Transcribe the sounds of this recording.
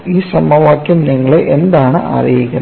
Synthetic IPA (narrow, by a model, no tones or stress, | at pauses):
isɐmɐʋaːkːɐmniːŋɡɐɭeʔɛnd̪aːnɐ̰ʔɐ̰ɾɪjɪkːɐ